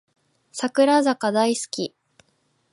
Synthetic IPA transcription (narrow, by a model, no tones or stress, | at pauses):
sakɯ̟ɾazakad̪aisɨ̥kʲi